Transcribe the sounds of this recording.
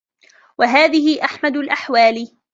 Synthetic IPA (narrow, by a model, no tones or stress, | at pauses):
waɦaːðɪhɪʔaħmad̪lʔaħwaːl